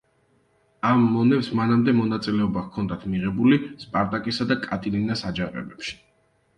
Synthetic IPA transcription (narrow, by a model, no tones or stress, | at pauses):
amːɔnɛpsmanamd̪ɛmɔnat̪sʼilɛɔbakʰɔnd̪at̪ʰmiʁɛbulispʼaɾt̪ʼakʼisad̪akʼat̪ʼilinasad͡ʒaqʼɛ̰bɛpʃi̥